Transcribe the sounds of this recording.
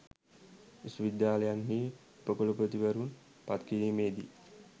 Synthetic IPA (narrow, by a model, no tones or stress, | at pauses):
isuʋid̪jaːləjanɦiː | upəkolupɾət̪iʋəɾun | pat̪kiɾiːmeːd̪ḭ